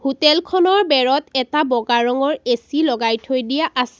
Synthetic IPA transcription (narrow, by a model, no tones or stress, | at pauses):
hutɛlkʰɔnɔɹbɛɹɔtɛtabɔɡaɹɔŋɔɹesilɔɡajtʰojdijaʔasɛ̥